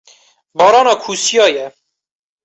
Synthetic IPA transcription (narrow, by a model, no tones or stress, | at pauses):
bɑːɾɑːnɑːkʰuːsijɑːjɛ